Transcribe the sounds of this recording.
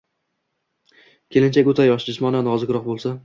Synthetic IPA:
kʲʰe̞lɪnt͡ʃʰakʲot̪ʰajɒʃd͡ʒʊsmɒnanɒzɪkʲɾɒqbolˠsa

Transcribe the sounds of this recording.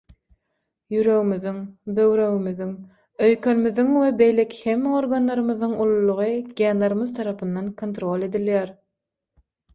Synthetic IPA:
jyɾø̞ɣymyðyŋbø̞wɾø̞ɣymyðyŋ | ø̞jkʰø̞nmyðyŋwebe̞jle̞kʰʲi̥hemːeo̞ɾɡɑnlˠɑɾɯmɯðɯŋulˠulˠuʁɯɡʲenlɑɾɯmɯðt̪ʰɑɾɑpʰɯnːɑnkʰo̞nt̪ɾo̞lʲe̞d̪ilʲjæɾ

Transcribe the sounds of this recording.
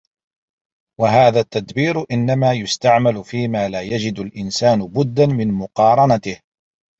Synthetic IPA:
waɦaːðaːt̪ːad̪biːɾʔɪnːamaːjʊst̪aʕmalʊfiːmaːlaːjad͡ʒɪd̪alʔɪnsaːnʊbʊd̪ːanmɪnmʊqɑːɾˤɑnat̪ɪh

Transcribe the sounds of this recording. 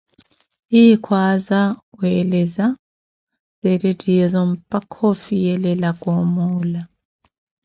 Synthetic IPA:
ikʰwaːzaweleza | zedetʼiezɔm̩pʼakʰofijɛlɛlakʼomula

